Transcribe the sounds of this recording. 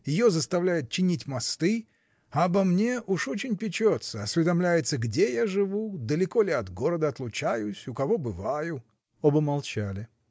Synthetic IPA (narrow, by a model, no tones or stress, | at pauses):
jɪjo̞zəst̪ɐvlʲæjɪʊt̪̚t͡ɕːɪnʲitʲmɐst̪ɨ | abɐmnʲe̞ʔuʂo̞t͡ɕɪnʲpʲɪt͡ɕo̞t̪səɐsʲvʲɪd̪ɐmlʲæjɪt̪səɡdʲe̞jaʐɨvud̪əlʲɪko̞lʲɪɐt̪ɡo̞ɾəd̪əɐt̪lˠʊt͡ɕæjʊsʲʊkɐvo̞bɨvajʊ | obəmɐlˠt͡ɕalʲɪ